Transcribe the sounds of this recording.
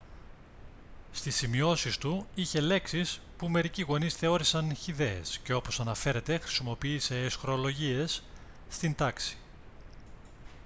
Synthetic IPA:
st̪isimio̞sist̪uiçe̞le̞ksis | pume̞ɾiciɣo̞nisθeo̞ɾisɐnçiðe̞ḛsce̞o̞po̞sɐnɐfe̞ɾe̞t̪e̞xɾi̥simo̞piːse̞ːsxɾo̞lo̞ʝie̞sː | t̪ind̪ɐksi̥

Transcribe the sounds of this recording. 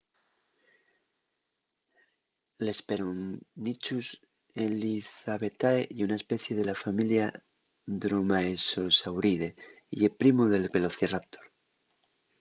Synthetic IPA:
lespeɾonnit͡ʃus | eliθaβe̞t̪aeiunae̞spe̞θje̞ðelafamilja | ðɾomaeso̞sawɾiðe | ḭepɾimoðe̞lpe̞loθerap̚t̪oɾ

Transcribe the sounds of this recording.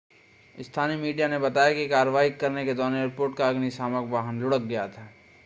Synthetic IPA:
ɪst̪ʰaːnimiːɖijanebɐt̪aːjakikaːɾəʋaːikɐɾneked̪ɔːneːɾpoːɾʈkaɐɡnisaːməkbaːɦənlʊɽək̚ɡɐjat̪ʰaː

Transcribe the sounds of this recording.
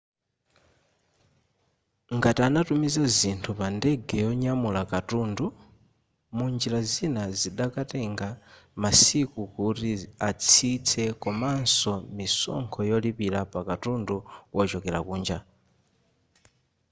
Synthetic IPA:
ŋɡatianatumizazintʰupandɛɡɛjɔɲamulakatuːndu | mund͡ʒiɾazinaziɗakatɛŋɡamasikukutiat͡sʰit͡sʰɛkɔmansɔmisɔ̰ŋkʰɔjɔlipiɾapakatunduwɔt͡ʃɔkɛɾa̰kuːnd͡ʒa

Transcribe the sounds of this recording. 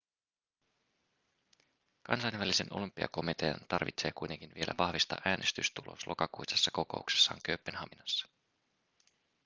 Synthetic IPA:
kɑ̰nsɑjnʋælise̞no̞̰lympːiɑ̰ko̞mit̪e̞ɑnt̪ɑrʋit̪se̞ːkujt̪e̞ŋk̟inʋie̞lʔæʋɑhʋist̪ɑ̰ʔæːnʔe̞st̪yst̪ulʔo̰slʔo̞̰kɑkuisesːɑko̞ko̞̰ukse̥sːɑ̰ːŋkøpːenɦɑminɑsːɑ̥

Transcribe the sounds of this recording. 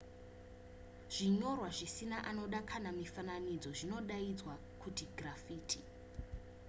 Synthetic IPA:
ʐ̥iɲorwaʐisinaʔano̞ɗakʰanamifananid͡zo̞ʐino̞ɗaid͡zwa | kʰutiɡrafiːtʰi

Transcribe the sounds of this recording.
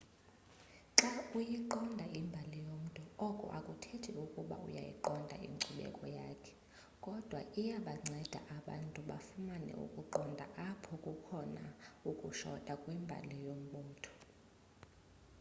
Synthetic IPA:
ǁaujiǃɔndʱaʔimbʱalijom̩tʼuɔkʼɔ̰ʔakʼutʰetʰiukʼuɓa̰ṵja̰jḭǃɔndʱa̰ḭŋǀuɓɛ̰kʼɔjaːkʰɛ̥ | kʼɔd̥ʱwa̰ʔijaɓaŋ͡ǀʱɛd̥ʱa̰ʔaɓa̰ntʼuɓafumanɛ̰ṵkʼuǃɔndʱaʔapʰɔkʼukʰɔnaukʼuʃɔ̰tʼakʼwɛmbʱa̰lijom̩ɓɔːtʰɔ̥

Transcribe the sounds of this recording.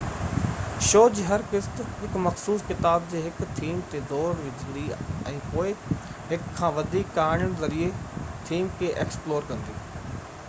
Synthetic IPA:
ʃoːd͡ʑiɦɐɾkɪst̪ɦɪkmɐxsuːskɪt̪aːb̚d͡ʑeːɦɪkt̪ʰiːmt̪ed̪ɔːɾʋɪd͡ʑʱɽiɛ̃ːpoːɪɦɪkʰːãːʋɐd̪ʱiːkːaːɪɽəɽ̃zɐɾiet̪ʰiːmkʰeʔeːksploːɾkɐ̃nd̪iː

